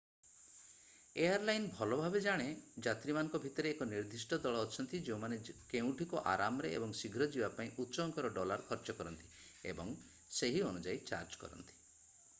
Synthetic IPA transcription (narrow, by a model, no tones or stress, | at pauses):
eaɾlajnbʱɔlɔbʱabed͡ʒaɽ̃ed͡ʒat̪ɾimanɔ̃ŋkɔbʱit̪ɔɾeːkɔniɾd̪ʱisʈɔd̪ɔɭɔːt͡ʃʰɔnt̪id͡ʒeũmanekeũʈʰikɔʔa̰ɾamɔɾeḛbɔŋsiɡʱɾɔd͡ʒibapaĩʔutːʃɔŋkɔɾɔɖɔlaɾkʰɔɾt͡ʃɔkɔɾɔnt̪i̥ | ḛbɔŋ | seɦiɔnud͡ʒait͡ʃa̰ɾd͡ʒkɔ̰ɾɔ̰nt̪i̥